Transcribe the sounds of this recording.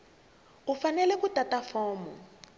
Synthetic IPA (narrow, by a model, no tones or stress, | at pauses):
ufanɛlɛkutatafɔːmɔ̰